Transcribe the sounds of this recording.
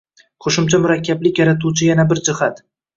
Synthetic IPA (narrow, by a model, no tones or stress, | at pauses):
qʰoʃɪmt͡ʃʰamʊɾakʲʰːablɪkʲjaɾat̪ʰuwt͡ʃʰɪjanabɪɾd͡ʒɪhat̪